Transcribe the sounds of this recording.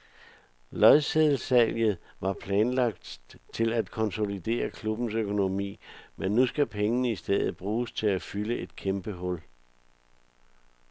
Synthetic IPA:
lɒðˠseðˠl̩sæljð̩ˠʋɑ̈pʰlɛːnlɑ̈ɡ̥̚d̥t͡sʰe̝læd̥kʰɒ̽nso̝lid̥e̝̰ːɐkʰlub̥n̩søkʰo̝no̝mḭːmenːusɡ̥æpʰeŋənəisd̥eð̰ˠð̩ˠb̥ʁuːst͡sʰe̝læfyləʔe̝d̥̚kʰemb̥əɦɔ̽l

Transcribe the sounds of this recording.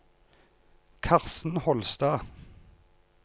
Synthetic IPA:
kʰɑʁsn̩hɔlst̪ɑː

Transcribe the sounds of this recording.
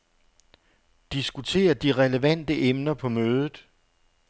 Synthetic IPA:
d̥isɡ̥ut͡sʰe̝̰ːɐd̥iʁɛləʋæn̰d̥əʔemnɐpʰɒ̽møːð̞ˠð̩ˠ

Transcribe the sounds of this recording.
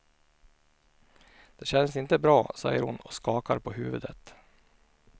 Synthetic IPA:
d̪̥eːɕɛnəsɪnt̪əbɾɑːsɑ̰ɪjəɾhʊnɔ̰ːskɑːkɑɾpʰoːhʉːʋəd̪ət̪

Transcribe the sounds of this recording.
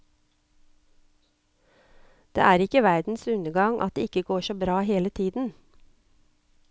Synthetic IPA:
d̪̥ḛːʔæːɾɪkəʋæɾd̪n̩sʉnəɡɑŋʔɑ̰t̪̚d̪ḛːɪkəɡoːʃoːbɾɑːheːlət̪ʰiːd̪n̩

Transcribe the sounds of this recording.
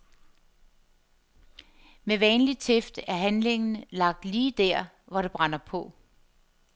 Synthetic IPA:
meʋɛːnlit͡sʰefd̥æɐɦænle̝ŋn̩lɑ̈ɡ̥̚d̥liːd̥æɐ̰ | ʋɒɾ̥e̝b̥ʁɑnɐpʰɔ̽

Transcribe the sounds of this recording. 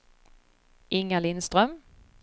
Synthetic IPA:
ʔɪŋːalɪnst̪ɾœm

